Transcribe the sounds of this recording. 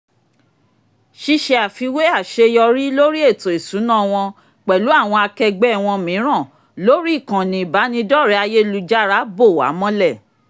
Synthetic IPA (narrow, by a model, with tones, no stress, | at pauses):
ʃi˧˦ʃe˧a˨fi˧we˦a˦˨ʃe˧jɔ˧ɾi˦lo˦ɾi˦e˦˨to˨e˨sũ˨˦nã˦˨w̃ɔ̃˧ | k͡pɛ˨lu˨˦a˦˨w̃ɔ̃˧a˧kɛ˧ɡ͡bɛ˦˨w̃ɔ̃˧mĩ˨˦ɾ̃ã˦˨ | lo˦ɾi˦i˦˨kã˨nĩ˨ba˨˦nĩ˧dɔ˦˨ɾɛ˨˦a˧je˦lu˨d͡ʒa˦ɾa˦bo˦˨wa̰˨˦mɔ̃˦lɛ˦˨